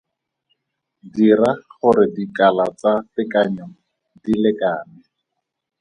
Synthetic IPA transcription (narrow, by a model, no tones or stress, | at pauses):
diraχʊɾɪdikalat͡satɪkaɲɔ | dilɪkaːnɪ